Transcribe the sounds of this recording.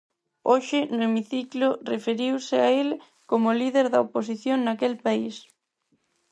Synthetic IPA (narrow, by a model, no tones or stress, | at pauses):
oʃɪnʊemiθiklʊrefeɾiwsɪael | komʊliðeɾðɐopos̬iθjoŋnakelpais